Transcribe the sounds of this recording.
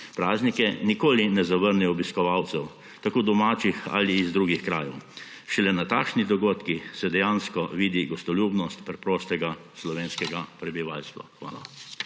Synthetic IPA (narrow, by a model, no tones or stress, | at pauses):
pɾaːznikɛnikoːlinɛzaʋəɾnɛɔbiskɔʋawt̪sɛw | t̪akoːd̪ɔmaːt͡ʃixa̰liːzd̪ɾuːɡixkɾaːjɛw | ʃɛlɛnat̪aːkʃnid̪ɔɡoːt̪kisɛd̪ɛjanskɔʋiːd̪iɡɔst̪ɔljuːbnɔst̪pɾɛpɾoːst̪ɛɡaslɔʋeːnskɛɡapɾɛbiʋalst̪ʋa̰xʋa̰ːla̰